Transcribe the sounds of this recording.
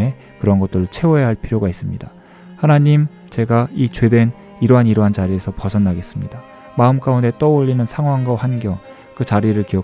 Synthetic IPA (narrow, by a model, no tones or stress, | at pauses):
e̞ | kɯɾʌnɡʌt͈ɯɾɭt͡ɕʰe̞oejaɦaɭpʰiɾjoɡais͈ɯmɲḭda | hanaɲim | t͡ɕe̞ɡait͡ɕwe̞dwe̞n | iɾoɦaniɾoɦant͡ɕaɾie̞sʰʌpʌsʰʌnːaɡe̞s͈ɯmɲida | maɯmk͈aunde̞t͈ʌoʎːinɯnsʰaŋɦwaŋɡʌɸanɡjʌŋ | kɯt͡ɕaɾiɾɯɭkiʌ